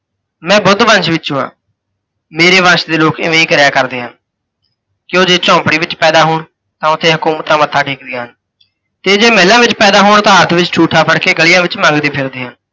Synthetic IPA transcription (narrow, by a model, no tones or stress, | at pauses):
mɛ̃ːbʊd̪ʋə̃nʃʋɪt͡ʃũːã̰ː | meːɾeːʋə̃nʃd̪eːloːkɪ̰ʋẽːiːkəɾjaːkəɾd̪eːɦən | kɪoːd͡ʒeːt͡ʃɔ̃ːpɽiːʋɪt͡ʃpɛːd̪aːɦoːɳ | t̪ãːʊt̪ʰːeːɦʊkuːmət̪ãːmət̪ʰːaːʈʰiːk̚d̪ɪjãːɦən | t̪eːd͡ʒeːmɛːlãːʋɪt͡ʃpɛːd̪aːɦoːɳt̪ãːɦəɾt̪ʰʋɪt͡ʃt͡ʃʰuːʈʰaːpʰəɽkeːɡəlɪjãːʋɪt͡ʃmãːŋɡd̪eːpʰɪɾd̪eːɦən